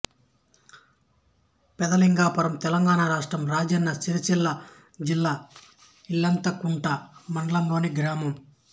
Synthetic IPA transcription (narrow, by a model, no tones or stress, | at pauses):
pɛd̪ɐliŋɡaːpɐɾɐmt̪ɛlɐŋɡaːnaɾaːʂʈɾɐmɾaːd͡ʒɐnːɐt͡ʃiɾit͡ʃilːa | d͡ʒilːaː | ilːɐnt̪ɐkuɳʈɐmɐɳɖɐlɐmlo̞ːniɡɾaːmɐm